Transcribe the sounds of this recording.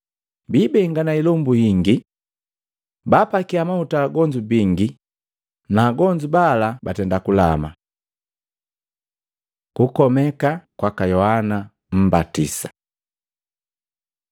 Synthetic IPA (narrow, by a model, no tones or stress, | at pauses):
biːbɛŋɡanailɔmbuhiŋɡi | baːpakiamautaːɡɔɲd͡ʒubiŋɡi | naːɡɔɲd͡ʒubalabatɛndakula̰ma̰ | kukɔmɛkakwakajɔhana | m̩batḭsḁ